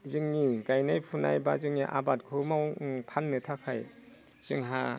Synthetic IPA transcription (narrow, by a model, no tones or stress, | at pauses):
zɯŋniɡajnajpʰuna̰jbazɯŋniʔa̰bat̚kʰɯmawpʰanːɯtʰakʰaj | z̥ɯŋɦa